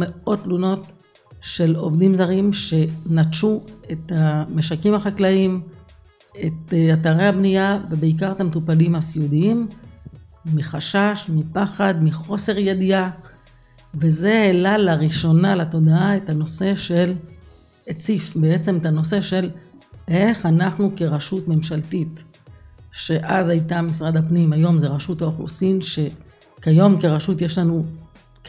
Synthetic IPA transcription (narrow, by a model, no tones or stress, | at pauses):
meo̞t̪luno̞t | ʃe̞lo̞̰vdimzaʁimʃe̞nat͡ʃue̞t̪ameʃakimaχaklaim | et̪at̪aʁehabnijave̞beik̬aʁet̪amet̪upalimasiudiimː | iχaʃaʃmipaχad̪miχo̞se̞ʁjed̪ia | ve̞ze̞elalaʁiʃo̞nalato̞d̪aaethano̞se̞ʃe̞l | et͡sifbe̞et͡se̞metano̞se̞ʃe̞lʔe̞χanaχnuke̞ʁaʃutme̞mʃaltit̪ | ʃe̞ʔazajtamis̬ʁad̪apnimajo̞mzeʁaʃutaoχṵsinʃe̞ | kajo̞mke̞ʁaʃut̪jeʃlanu